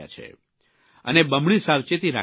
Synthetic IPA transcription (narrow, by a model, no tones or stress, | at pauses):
a̰t͡ʃʰḛ | ə̰nebəmɳisaʋt͡ʃet̪iɾa̰